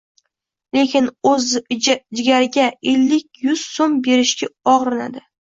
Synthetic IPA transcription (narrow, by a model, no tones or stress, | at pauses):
le̞kʲɪnɵzd͡ʒɪɡʲaɾɪɡʲaelːɪkʲjʊz̥sombe̞ɾɪʃkʲaɒʁɾɪna̰d̪ɪ